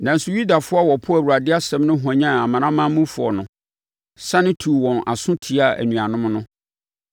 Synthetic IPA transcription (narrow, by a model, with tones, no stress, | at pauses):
nã˨n̩˨˦sʊ˦ju˦da˨fʊ˦a˦wɔ˨pʰʊ˦æ˨wu˨ɾa˨dɪ˦a˦sɛ̃˦mnʊ̃˦ɦã˨ɲã˦a˨mã˨ɾã˦mãː˦mũ˦fʊ˨ɔ̰˨nʊ̃˨ | sã˦nɪ̃˦tʰu˨wɔ̃˨na˨sʊ̃˦tʰi˨a˦˨æ̰˨nũ˨a˨nʊ̃˦mnʊ̃˦